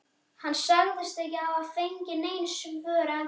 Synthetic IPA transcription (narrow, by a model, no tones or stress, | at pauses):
hanːsaɣðɪst̪ecɪavaðfejɲcɪneːjnsʏŋvœːɾa